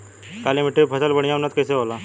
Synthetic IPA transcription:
kaːlimɪʈːebpʰɐsəlbəɽ̃ijaʊnːət̪̚kɛːseɦoːlaː

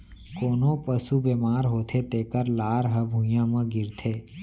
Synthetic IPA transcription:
koːnopəsubeːmaːɾɦoːt̪ʰet̪eːkəɾlaːɾɦəbʱũjãmə̃ɡɪɾt̪ʰeː

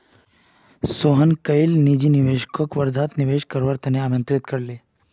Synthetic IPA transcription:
soɦənkəjlnid͡ʑiniʋeʃkʰokʋəɾd̪ʱat̪niʋeʃkəɾʋaɾt̪ɐneaːmjə̃nt̪ɾɪt̪kəɾle

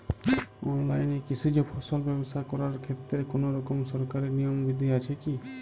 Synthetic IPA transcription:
ɔnlajnekit͡ʃʰid͡ʒɔpʰɔsɔlbɛbost̪ʰakɔɾaɾkʰet̪ːɾekonoɾɔkɔmsɔɾkaɾiɾnijɔmbid̪ʱiat͡ʃʰeki

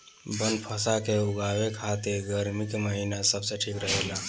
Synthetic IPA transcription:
bənd̪pʰəsakeʊɡaːwekʰat̪iɾɡəɾmikməɦinasəbseʈʰikɾəɦeːla

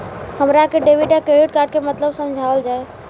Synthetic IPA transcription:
həmɾakeɖeʋiʈakeɽiʈ̚kaːɾɖ̚kemət̪ləbsəmd͡ʒʱaəld͡ʒaːe

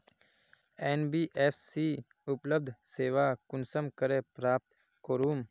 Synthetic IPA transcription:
eːnbiːʔeːfʰsiː | ʊpləb̚d̪ʱseːʋaːkʊnsəmkəɾeːpɾaːp̚t̪ | koːɾuːm

